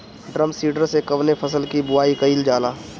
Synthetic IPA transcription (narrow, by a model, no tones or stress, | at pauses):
ɖɾəmsiːʈəɾsekɐʋnepʰɐsəlkibʊaːikɐild͡ʒaːlaː